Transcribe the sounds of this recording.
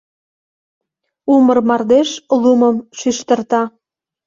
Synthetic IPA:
umərmɑrd̪eʃluməmʃyʃt̪ə̆rt̪ɑ

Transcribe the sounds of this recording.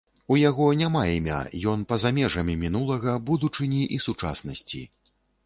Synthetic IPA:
ujaɣɔnʲamaimʲa̰jɔnpɐzamʲɛʐɐmʲimʲin̪ulˠɐɣɐbud̪ut͡ʂɨnʲiʔisut͡ʂa̰snɐsʲt͡sʲḭ

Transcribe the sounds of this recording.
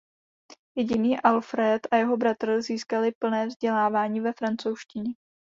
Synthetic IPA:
jɛɟɪniːʔalfɾɛːt̪ʔajɛɦo̞bɾat̪r̩ziːskalɪpl̩nɛːvzɟɛlaːvaːɲiːvɛfɾant͡sowʃcɪɲɛ

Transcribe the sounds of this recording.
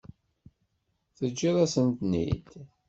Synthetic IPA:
θəd͡ʒːɪðˤæsənt̪nḭd̪

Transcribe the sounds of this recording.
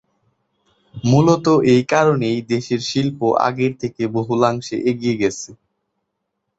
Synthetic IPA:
mulot̪oʔejkaɾonejd̪eʃeɾʃilpoʔa̰ɡeɾt̪ʰekeboɦulaŋʃḛʔeɡijeɡɛt͡ɕʰe

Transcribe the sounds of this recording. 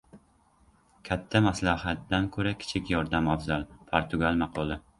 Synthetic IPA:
kʲʰat̪ʰːamaslahat̪ːankʰɵɾakʲʰɪ̥t͡ʃʰɪkʲjɒɾd̪amafzalˠpʰoɾt̪ʰʊɡalˠmɑqʰɒlˠɪ

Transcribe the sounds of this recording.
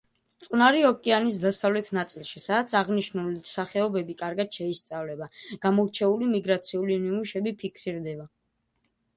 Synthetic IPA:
t̪sʼnaɾiɔkʼɛanis̬d̪asavlɛt̪ʰnat̪sʼilˠʃisad̪at̪sʰaʁniʃnulisaχɛɔbɛbikʼaɾɡad̪̥ʃɛist̪sʼavlɛbaɡ̥amɔɾt͡ʃʰɛulimiɡɾat̪sʰiulinimuʃɛbipʰikʰsiɾd̪ɛba

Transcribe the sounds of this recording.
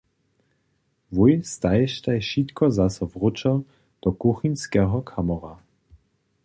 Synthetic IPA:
vujst̪ajɛʃt̪ajʃit̪kɔzasɔvʁʊt͡ʃa | d̪̥ɔkuxinskɛːɦɔkʰamɔʁa

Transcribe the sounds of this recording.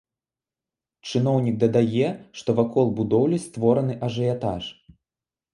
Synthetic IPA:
t͡ʂɨnɔwnʲik̚d̪ɐd̪ajɛʂt̪ɔvakɔlˠbud̪ɔwlʲɛsʲt̪vɔɾɐnɨʔɐʐɨjɛt̪aʂ

